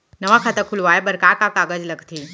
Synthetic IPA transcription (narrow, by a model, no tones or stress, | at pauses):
nɐʋakʰaːt̪əkʰʊlʋaːebəɾkaɾkakaːɡəd͡ʒlɐɡt̪ʰiː